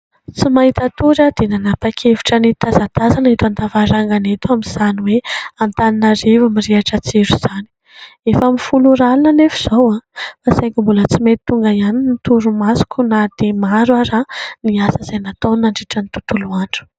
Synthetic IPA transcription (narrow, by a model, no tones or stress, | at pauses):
t͡simaɦit̪at̪uɾad̪̥enanapakʰeviʈ͡ʂənit̪azat̪azanait̪ant̪avaɾaŋɡanet̪uamiz̥aniweamt̪aninaɾivamiɾiaʈ͡ʂət͡siɾuz̥ani̥ | efamifuluɾalunənefi̥z̥awafasajŋkimbulət͡simet̪t̪ːuŋɡaianinit̪uɾumasu̥kʲunad̪̥emaɾwaɾaniasəzajnat̪onaɳɖ͡ʐiʈ͡ʂənit̪ut̪uluaɳɖ͡ʐu̥